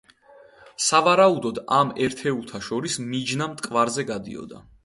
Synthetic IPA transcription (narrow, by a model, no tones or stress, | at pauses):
savaɾaud̪ɔd̪amɛɾt̪ʰɛulˠt̪ʰaʃɔɾismid͡ʒnamt̪ʼkʼvaɾzɛɡad̪ḭɔ̰d̪a̰